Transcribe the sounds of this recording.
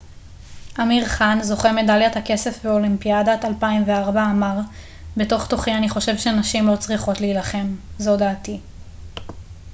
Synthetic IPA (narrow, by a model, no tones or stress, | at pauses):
ʔamiʁχanzo̞χeme̞daljathake̞se̞fbeolimpiadatalpaimveaʁbaːmaʁ | be̞to̞χto̞χianiχo̞ʃe̞vʃenaʃimlo̞t͡sʁiχo̞tliːlaχe̞mzo̞daːti